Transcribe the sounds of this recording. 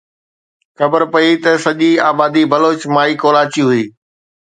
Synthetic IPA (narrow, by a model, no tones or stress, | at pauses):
xɐbəɾpɐit̪ɐsɐʄiaːbaːd̪ibɐloːt͡ɕmãːikoːlaːt͡ɕiɦʊiː